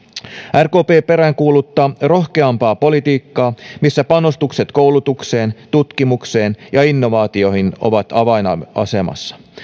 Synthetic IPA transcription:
ærko̞ːpe̞ːpe̞ɾæŋkuːlut̪ːɑːro̞hke̞ɑmpɑːpo̞lit̪iːkːɑːmisːæpɑnost̪ukse̞t̪ko̞wlut̪ukse̞ːnt̪ut̪k̟imukse̞ːnjɑinːo̞ʋɑːt̪io̞hino̞̰ʋɑt̪ɑʋɑjnɑ̰ɑ̰se̞mɑ̰sːɑ̥

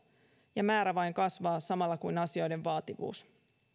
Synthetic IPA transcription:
jɑmæːɾæʋɑjŋkɑsʋɑːsɑmɑlːɑkujnɑsio̞jde̞ʋʋɑːt̪iʋṵːs

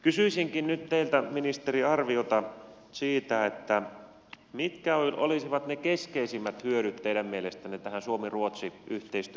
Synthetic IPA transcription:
kysyisiŋkinnyt̪t̪eilt̪æminist̪eriɑrʋiot̪ɑ | siːt̪æet̪ːæ | mit̪kæoʔo̰lisiʋɑt̪nekeskeisimːæt̪hyøɾyt̪teiɾæmmielest̪ænːit̪æhænsuomiruot̪siyht̪eist̪y

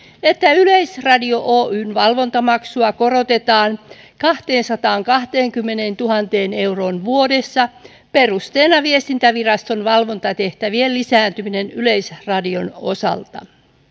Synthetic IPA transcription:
et̪ːæylejsrɑdio̞ʔoːʔyːnʋɑlʋo̞nt̪ɑmɑksuɑko̞rot̪e̞t̪ɑːn | kɑht̪eːnsɑt̪ɑːŋkɑht̪eːŋkymːe̞neːnt̪uɦɑnt̪eːne̞wro̞nʋuodesːɑ | perust̪eːnɑʋiest̪int̪æʋirɑst̪o̞nʋɑlʋo̞nt̪ɑt̪e̞ht̪æʋielːisæːnt̪yminenylejsrɑdio̞no̰sɑ̰lt̪ɑ̰

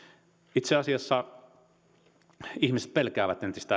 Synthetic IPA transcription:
it̪seɑsiɑsːɑ | ihmise̥t̪̚pelkæːʋæt̪ent̪ist̪æ

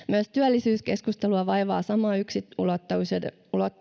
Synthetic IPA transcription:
myæst̪yælːisyːske̞skust̪eluɑʋɑjʋɑːsɑmɑːyksiulot̪ːɑuse | ulot̪ː

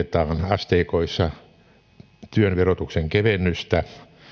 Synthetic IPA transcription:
et̪ɑːnɑst̪eikoisːɑ | t̪yønʋerot̪ukseŋkeʋenːyst̪æ

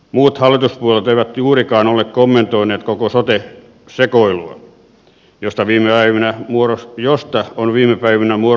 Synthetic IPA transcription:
muːt̪hɑlːˑit̪uspuolet̪eiʋæt̪juːrikɑːnolːˑekkomːent̪oineːt̪kokosot̪e | sekoilṵɑ̰ | jost̪ɑʋiːmeæiʋinæmuorosjost̪ɑonʋiːmepæiʋinæmuo

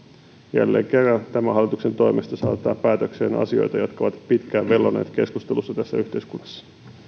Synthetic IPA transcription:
jæ̰lːe̞̰ːŋk̟e̞rːɑnt̪æmæɦɑlːˑit̪ukse̞nt̪o̞imest̪ɑsɑːt̪ːˑɑːppæːt̪økse̞ːnɑ̰sio̞̰jt̪ɑjɑt̪kɑoʋɑt̪pit̪kæːʋʋe̞lːonḛːt̪ke̞skust̪elusːɑt̪æsːæyht̪e̞iskunːɑsːɑ̥

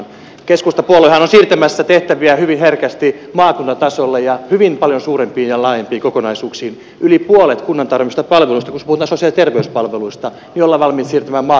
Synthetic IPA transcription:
keskust̪ɑpuoloihɑnonsiːrt̪æmæsːæt̪eht̪æʋiæhyʋinherkæst̪i | mɑːkunt̪ɑt̪ɑsolːejɑhyʋimpɑljonsuːrempiːjɑlɑːjempiːkokonɑisuːksiːn | ʔylipuolet̪kunːɑnt̪ɑrʋimiust̪ɑpɑlʋelust̪ɑkusepuhut̪ɑːsosijɑlit̪erʋeyspɑlʋeluist̪ɑ | jolːɑʋɑlmit̪siːrt̪æmæːmmɑː

